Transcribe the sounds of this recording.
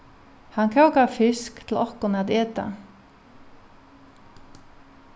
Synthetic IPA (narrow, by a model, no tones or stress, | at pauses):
hankʰawkafɪskt̪ʰl̩ɔhkʊnaðeːt̪a̰